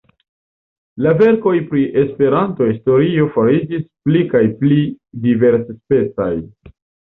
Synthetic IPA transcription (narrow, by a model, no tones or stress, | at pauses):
lave̞ɾko̞jpɾiʔe̞spe̞ɾantohisto̞ɾio̞faɾid͡ʒisplikajpli | dive̞ɾsspe̞t͡sa̰j